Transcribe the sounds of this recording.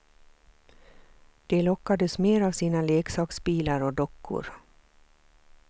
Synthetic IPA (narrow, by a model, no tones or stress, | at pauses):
d̪̥ɛlɔkːad̪əsmeːɾavsiːnaleːksɑːksbiːlaɾɔd̪ɔkʰːʊ̰ɾ